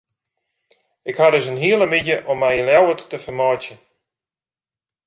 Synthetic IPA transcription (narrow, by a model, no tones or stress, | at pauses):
ɪkhadʏsənɦiəlˠəmidjəʔɔmːɛjəljawətːəfərmɔjtjə